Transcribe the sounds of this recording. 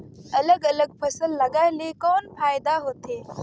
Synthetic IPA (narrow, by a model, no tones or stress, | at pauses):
ɐləɡɐləɡpfʰɐsəlːɐɡajlekoːnfaːjd̪aɦoːt̪ʰe